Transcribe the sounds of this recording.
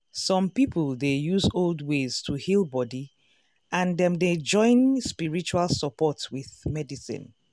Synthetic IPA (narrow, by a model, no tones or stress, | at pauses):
sɔ̃mpipəlˠdejuzolˠdwez̥tʰuhilbɔdi | ʔãndɛ̃mded͡ʒɔ̃ɪ̃nspiɹit͡ʃualˠsəpɔtwiðmɛdisḭ̃n